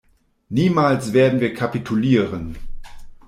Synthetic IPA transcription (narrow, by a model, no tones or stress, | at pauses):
niːmaːlsv̥eːɐdn̩viːɐkʰapitʰuliːʁən